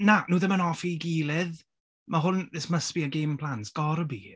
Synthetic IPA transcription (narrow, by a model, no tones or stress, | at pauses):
nanuːðɪmənɔfiɡiːlˠɪð | maɦʊnɪsməspiəɡejmpʰl̥ˠantsɡ̥ɔɾəbḭ